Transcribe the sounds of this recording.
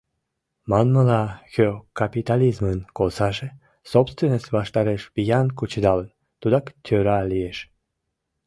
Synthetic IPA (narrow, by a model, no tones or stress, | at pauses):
mɑnməlɑxøkapit̪alizmənkolsɑʒe | sopst̪venəsʲβɑʃt̪ɑɾeʃbijɑnkut͡ɕəd̪ɑlən | t̪ud̪ɑkt̪ʲʰøɾɑlieʃ